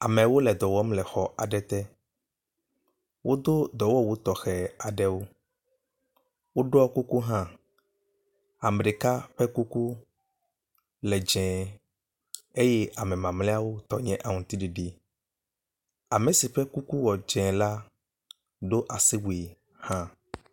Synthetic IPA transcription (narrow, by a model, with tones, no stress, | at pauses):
a˨mɛ̃˨wo˦lɛ˨d̪ɔ˨wɔ˦m˦lɛ˨xɔ˨ʔa˨ɖɛ˦t̪ɛ˦ | wʔo˦d̪o˦d̪ɔ˨wɔ˦wo˦t̪ɔ˨xɛ˨a˨ɖɛ˦wo˦ | wo˦ɖo˦ɔ˦ku˦ku˦ɦã˦ | a˨mɖe˨ka˦ɸɛ˦ku˦ku˦ | lɛ˨d͡ʒɛ̃˨ | e˦jɛ˦ʔa˨mɛ̃˨mã˨mlɛ˦a˦wo˦t̪ɔ˨ɲɛ̃˦ʔa˨ŋũ˨t̪i˦ɖi˨ɖi˦ | a˨mɛ̃˨si˨ɸɛ˦ku˦ku˦wɔ˨d͡ʒɛ̃˨la˦ | ɖo˦ʔa˨si˦wu˨e˨ | hã˦